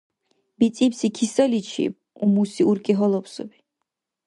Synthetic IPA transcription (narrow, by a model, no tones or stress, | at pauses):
b̥it̪sʼipsikʰisɔlit͡ʃʰḭb | umusiuɾkʼiɦɔlˠɔpsṵbi